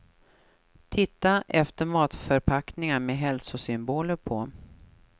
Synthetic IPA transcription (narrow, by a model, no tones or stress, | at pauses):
t̪ʰɪt̪ːaʔɛft̪əɾmɑːt̪fœɾpʰaknɪŋameɦɛlsʊsʏmboːləɾpʰɔ